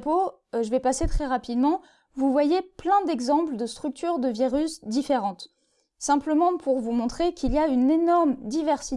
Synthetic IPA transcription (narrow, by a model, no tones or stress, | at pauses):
po | ʒəvɛpaset̪χɛʁapid̪mɑ̃ | vuvwajeplɛ̃d̪ɛɡzɑ̃pld̪əst̪χyk̚t̪yʁd̪əviʁysd̪ifeʁɑ̃t̪ | sɛ̃pləmɑ̃pʰuʁvumɔ̃t̪χekʰʲiliaynenɔʁmd̪ivɛʁsi